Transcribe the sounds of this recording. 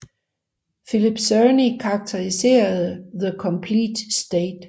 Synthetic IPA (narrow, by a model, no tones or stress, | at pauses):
filib̥sønikʰɑɑ̈ɡ̥̚t͡sʰeʁise̝̰ːɐð̩ˠðəkʰɒ̽mpʰlḭːd̥sd̥eːd̥